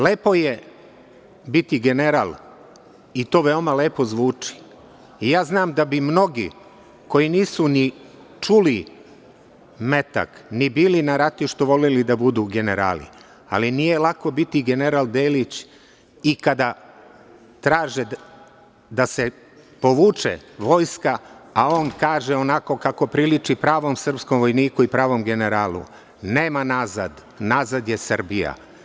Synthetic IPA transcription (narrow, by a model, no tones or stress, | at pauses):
leːpo̞je̞ | bit̪iɡe̞ne̞ɾa̰ːl | it̪o̞ːʋe̞omale̞ːpo̞zʋuːt͡ʂi̥ | ijaːznaːmd̪abimno̞ɡḭ | ko̞jiniːsuni | t͡ʃuli | me̞t̪a̰knibiːlinaɾat̪uʃt̪uʋo̞lelid̪abud̪uɡe̞neɾa̰ːlḭ | a̰linije̞lˠako̞bit̪iɡe̞neɾalˠd̪eːlit͡ɕ | ikad̪a | t̪ɾaːʒe | d̪ase̞ | po̞ʋuːt͡ʂḛʋo̞ːjskaːo̞ːnkaːʒeo̞nako̞kako̞pɾilit͡ʂipɾaːʋo̞msr̩pskomʋo̞jniːkuipɾaːʋo̞mɡe̞ne̞ɾaːlṵ | ne̞ːmanazad̪ | naːzad̪je̞srbija̰